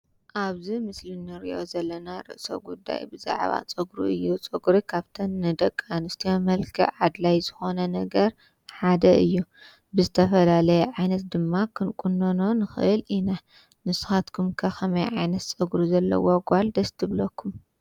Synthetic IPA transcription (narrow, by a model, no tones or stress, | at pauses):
ʔaβzimɨslɨnːɨɾḭʔo̞̰zɐlːɐnaɾɨ̰ʔso̰ɡud̪ːa̰jbɨza̰ʕβa̰t͡sʼɨɡɾṵʔɨjːut͡sʼɨɡɾikʰaβt̪ʰɐnːɨd̪ɐkʼːanɨst̪ʰijomɐlkʰiʕad̪lajzɨxo̞nɐnɐɡɐɾ | ħad̪ɐʔɨjːu | bɨzɨt̪ʰɐfɐlalɐjɛʕajnɐt̪̚d̪ɨmːakʰɨnkʼunːɐno̞nɨxɨʔɨlina | nɨsɨ̥xat̪kʰumkʰɐxɐmɐjʕajnɐt̪t͡sʼɨɡɾuzɐlːɐ̰woɡʷald̪ɐst̪ʰɨβlɐkʰːum